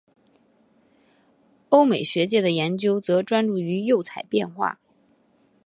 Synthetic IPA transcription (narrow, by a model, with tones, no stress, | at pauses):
o˥ʊme˨˩ɪɕɥɛ˧˥t͡ɕjɛ˥˩d̪ə˩jɛ˧˥nt͡ɕjo˥ʊt͡sɤ˧˥ʈ͡ʂwa˥nʈ͡ʂu˥˩y˧˥jo˥˩ʊt͡sʰa˨˩ɪpjɛ̰˥˧nxwa̰˥˩